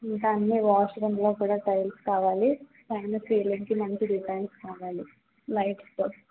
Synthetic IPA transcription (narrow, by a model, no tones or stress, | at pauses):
ink̪ɐɐnːiʋaːʃɐɾɐnlo̞ːkuːɽaːʈɐjlskaːʋaːlipaːnɐfiːliŋkimɐɲt͡ʃiɖipɐːnskaːʋaːli | lɐjʈst̪oː